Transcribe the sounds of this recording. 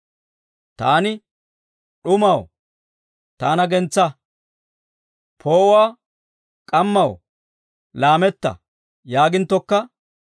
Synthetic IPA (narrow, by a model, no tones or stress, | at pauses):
t̪aːnɪ | ɗʊmɐw | t̪aːnɐɡɛnt͡sːɐ | pʰo̞ːʊwaː | kʼɐmːɐw | laːmɛt̪ːɐ̰ | jaːɡɪnt̪ːɔkːɐ